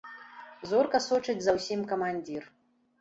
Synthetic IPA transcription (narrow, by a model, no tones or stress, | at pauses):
zɔrkɐsɔt͡ʂɨt͡sʲzɐwsʲimkɐmanʲd͡zʲir